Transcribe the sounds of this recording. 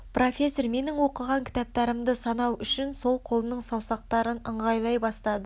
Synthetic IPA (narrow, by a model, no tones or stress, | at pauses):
pro̞fʲe̞sorme̞nɪŋwo̞qəʁɑŋkʲʰɪ̥t̪ɑp̚t̪ɑɾəmd̪əsɑnɑwʏʃɪnso̞lˠqʰo̞lˠənəɴsɑwsɑq̚t̪ɑɾənəɴʁɑjlˠɑjbɑst̪ɑd̪ə